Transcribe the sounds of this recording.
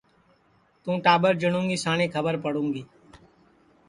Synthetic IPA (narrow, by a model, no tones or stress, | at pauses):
t̪ũːʈaːbəɾd͡ʒəɽ̃ũːŋɡiːsaːnẽkʰəbəɾpəɽũːŋɡiː